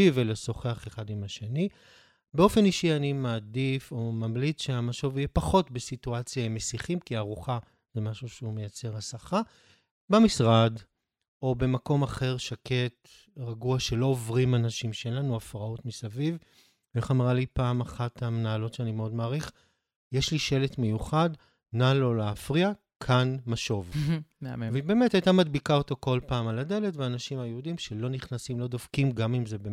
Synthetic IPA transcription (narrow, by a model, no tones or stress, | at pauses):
iveleso̞χeaχeχadimaʃe̞ni | beo̞fe̞niʃianimaːdifo̞mamlit͡sʃeamaʃovijepaχo̞tbesituat͡sjaimesiχimkiaːʁuχa | zemaʃuʃeume̞jat͡se̞ʁhasaχa | bemisʁad | o̞be̞mako̞maχe̞ʁʃake̞t | ʁaɡuaʃe̞lo̞ovʁimanaʃimʃelanuafʁaotmisaviv | eχamʁalipaːmaχatamenaːlo̞tʃeanimeo̞dmaːʁiχ | jeʃliʃe̞letme̞juχad | nalo̞leːfʁia | kʰanmaʃo̞vevebe̞metajtamadbikao̞to̞ko̞lpaːmalade̞le̞tveaːnaʃimajeudimʃelo̞niχnasimlo̞dov̥kimɡamimzebe